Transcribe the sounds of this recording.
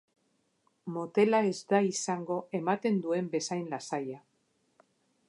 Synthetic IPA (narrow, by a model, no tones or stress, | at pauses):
mo̞t̪e̞laezd̪aisaŋɡo̞emat̪e̞nd̪ue̞mbe̞sajnlasaja